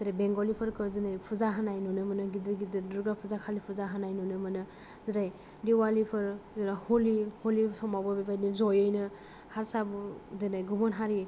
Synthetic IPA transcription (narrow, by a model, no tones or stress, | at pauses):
ziɾajbeŋɡɔlipʰɯɾkɯzinajpʰuzaɦanajnunɯmɯnɯɡidɯɾɡidɯɾduɾɡɾapʰuzakʰalipʰuzaɦanajnunɯmɯnɯ | ziɾaj | diwalipʰɯɾzɯɾahɔliholisɔmawbɔbibajnizɔjɯjnɯ | haɾsabuzɯnajɡumɔnɦaɾi